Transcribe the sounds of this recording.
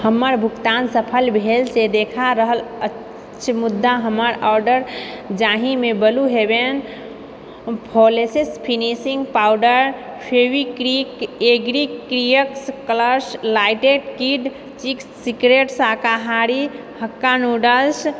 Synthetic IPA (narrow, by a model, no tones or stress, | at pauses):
həmːəɾbʱukt̪ansəpʰəlbʱelsed̪ekʰaɾəɦələ | t͡ʃʰmud̪ːaɦəmːəɾɔɾɖəɾd͡ʒaɦimebəluɦeben | pʰolesespʰinisĩŋɡpawɖəɾ | pʰewikɾikeɡɾikɾijəkskləslaiʈeɖkiɖ | t͡ʃiksːikɾeʈsakaɦaɾi | həkːanuɖəls